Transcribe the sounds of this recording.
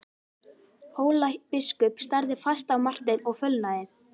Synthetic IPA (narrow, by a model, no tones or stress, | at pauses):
hoːwlahk̚pɪskʏpst̪aɾðɪfast̪awmar̥t̪ɪnɔɣfœlnaðɪn